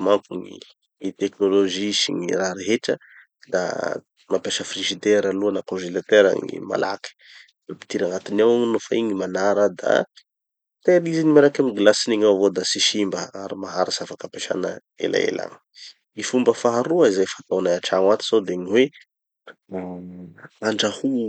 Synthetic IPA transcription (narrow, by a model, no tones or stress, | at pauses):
maŋkuŋḭ | ŋit̪ɛknoloʒisiŋiraɾeɦeʈ͡ʂə | d̪a̰ | mapeʃəfriʒid̪eɾaluanakõʒelat̪eɾa̰ŋḭma̰la̰ki̥ | d̪api̥t̪iɾaŋat̪inawnofaiɲimanaɾad̪a̰ | t̪eɾizinimaɾakamiɡlasiniŋawvod̪asiʃimbəaɾimaɦaɾisafakapeʃa̰nə | ḛla̰ḛla̰ŋ | ifumbəfaɦaɾuaizajfat̪awnaaʈ͡ʂaŋat̪i̥sowd̪eɲiwe | aɳɖ͡ʐahu